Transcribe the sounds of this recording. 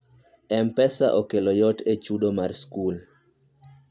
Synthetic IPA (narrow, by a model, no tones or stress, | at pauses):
ɛmpɛsa̰ʔokelɔjɔtet͡ʃudomarskul